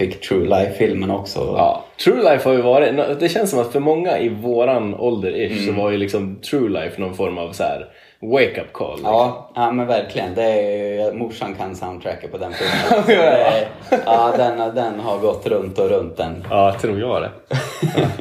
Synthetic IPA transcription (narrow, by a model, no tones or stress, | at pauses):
fɪkːt̪ʰɾʉːlajfːɪlmənɔksɔ̰ɑ̰ːt̪ʰɾʉːlajfhaɾjɵvɑːɾɪnd̪ɛɕɛnsɔmat̪fœɾmɔŋːaʔɪvoːɾanɔld̪əɾɪʂsɔvajɵlɪksɔmt̪ʰɾuːlaɪfnɔnfɔɾmavsæ̰ːɾ | weɪkapːkʰɔ̰ːlɑːamɛnvæɾkʰlɪɡənd̪ɛjmʊʂːankʰansaʊnd̪t̪ʰɾækːapʰɔd̪ɛnfʊ | ɑd̪ɛnd̪ɛnɦaɾɡɔt̪ːɾɵnt̪ɔɾɵnt̪̚d̪ɛnɑːt̪ʰɾuːɾjɑːd̪ɛ̰